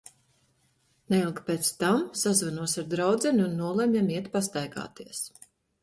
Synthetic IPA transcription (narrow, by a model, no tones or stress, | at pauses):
nɛilˠkpeːt̪st̪amsazvanuɔsaɾd̪ɾawd̪zɛnʲunːuɔlˠɛmʲjamiɛt̪past̪ajɡa̰ːt̪iɛs